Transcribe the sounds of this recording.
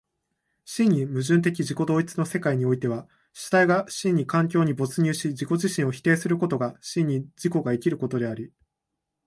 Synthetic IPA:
ɕĩɲ̟ːimɯ̟ʑɨ̃nt̪̬e̞k̬ʲiʑiko̞d̪o̞ːit͡sɨno̞se̞kaiɲ̟io̞it̪e̞β̞a | ɕi̥t̪aiɡaɕĩɲ̟ːikãŋkʲo̞ːɲ̟ibo̞t͡sɨɲ̟ʲɨːɕid͡ʑiko̞ʑiɕĩɰ̃o̞çi̥t̪e̞ːsɨɾɯ̟ko̞t̪o̞ɡaɕĩɲ̟ːid͡ʑiko̞ɡaekʲiɾɯ̟ko̞t̪o̞d̪e̞aɾʲi

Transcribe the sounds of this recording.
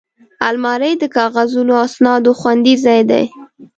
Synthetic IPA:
almɑɾəjd̪əkɑɣazunoasnɑd̪oxwand̪izɑjd̪a̰j

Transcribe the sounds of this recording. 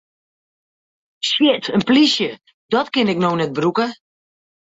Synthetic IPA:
ʃɪtənplisjə | d̥ɔtkɪnɪk̚nownɛt̚brukə

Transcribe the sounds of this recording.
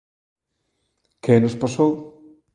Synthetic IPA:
kenospasow

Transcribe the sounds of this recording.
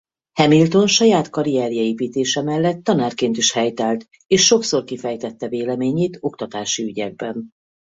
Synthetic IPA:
hɛmilt̪o̞nʃɒjaːt̪kɒɾijɛɾijɒeːpiːt̪eːʃɛmɛlːɛt̪ːɒnaːrkeːnt̪iʃhɛjt̪ɛlt̪ | eːʃːo̞kso̞rkifɛjt̪ɛt̪ːɛveːlɛmeːɲeːt̪o̞kt̪ɒt̪aːʃiyɟɛɡ̚bɛn

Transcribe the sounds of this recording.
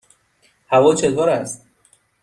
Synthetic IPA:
hævɒːt͡ʃʰed̪vɒːɾæst̪

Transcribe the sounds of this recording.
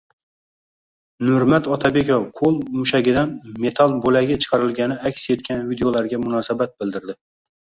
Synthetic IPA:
nʊɾmat̪ɒt̪ʰabe̞kʲofqʰolˠmʊʃaɡʲɪd̪anme̞t̪ʰalˠbolaɡʲat͡ʃʰɨ̥qʰɑɾɪlɡʲanɪakʲsje̞t̪̚kʲanvid̪eolaɾɡʲamʊnɒsabat̪̚bɪld̪ɪɾd̪ɪ

